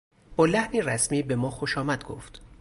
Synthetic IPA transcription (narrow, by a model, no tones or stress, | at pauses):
b̥ɒːlæhniːræsmiːbe̞mɒːxoʃɒːmæd̪̥̚ɡo̰ft̪